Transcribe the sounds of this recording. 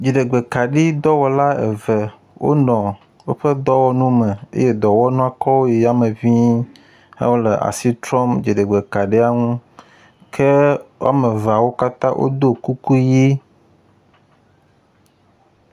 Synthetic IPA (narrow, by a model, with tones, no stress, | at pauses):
d͡ʒi˨ɖe˨ɡ͡be˨ka˨ɖi˦d̪ɔ˦wɔ˨la˦ḛ˨vɛ˨ | wʔo̰˦nɔ̃˨ | wo˦ɸe˦d̪ɔ˦wɔ˦nũ˦mɛ̃˨ḛ˦je˦d̪ɔ˨wɔ˦nũ˦a˨kɔ˦wo˦je˨ja˦mẽ˨vĩ˦ | hḛ˦wo˦le˨ʔa̰˨si˦t̪ɾɔ˦md͡ʒi˨ɖe˨ɡ͡be˨ka˨ɖe˦a˦ŋũ˦ | kʰe˦wa̰˦mẽ˨va˨wo˦ka˦t̪ã˦ʔo̰˦d̪o˦ku˦ku˦ji˦